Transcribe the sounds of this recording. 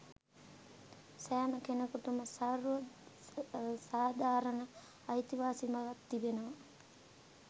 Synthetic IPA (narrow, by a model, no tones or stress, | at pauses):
sæːməkenəkuʈuməsaɾʋə | saːd̪ʱaːɾənəː | jt̪iʋaːsimaʋat̪ːibenəʋa